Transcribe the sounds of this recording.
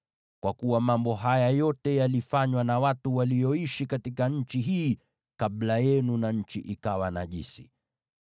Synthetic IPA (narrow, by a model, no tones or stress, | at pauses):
kwakuwamambɔɦajajɔtɛjalifaɲwanawatuwalijɔiʃikatikaɲ̩t͡ʃiɦiː | kablajɛnunaɲ̩t͡ʃḭʔikawanaʄḭsḭ